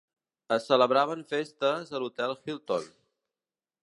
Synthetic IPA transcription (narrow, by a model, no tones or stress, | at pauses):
əsːələβɾaβəɱfest̪əzəlut̪ɛlˠxilˠt̪on